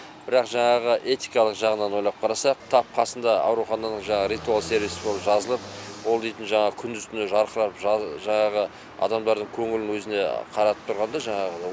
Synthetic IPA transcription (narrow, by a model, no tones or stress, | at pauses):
b̥ɪɾɑqʒɑɴɑʁəʔe̞t̪ijkɑlˠəqʒɑʁənɑnwo̞jlˠɑp̚qʰɑɾɑsɑqt̪ʰɑp̚qʰɑsənd̪ɑɑ̰wɾuχɑnɑnəɴʒɑɴɑʁəɾijt̪ualˠse̞ɾvijsɪbo̞lˠəpʒɑzəlˠəp̚wo̞lˠd̪e̞jt̪ɪnʒɑɴɑʁəkʲʰʏnd̪ʏzt̪ʏnɪʒɑɾqəɾɑpʒʒɑɴɑʁə | ɑ̰d̪ɑmd̪ɑɾd̪əɴkʲʰɵŋɪlɪnwɵzɪne̞qʰɑɾɑt̪ə̥p̚t̪ʰʊɾʁɑnd̪ɑʒɑɴɑʁəd̪ɑ